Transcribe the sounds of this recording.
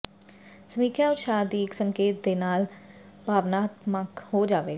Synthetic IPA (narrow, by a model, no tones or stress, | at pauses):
səmiːkjaːʊt̪ʃaːd̪iːɪksəŋkeːt̪̚d̪eːnaːl | bʱaːʋnaːt̪məkhoːd͡ʒaːʋeː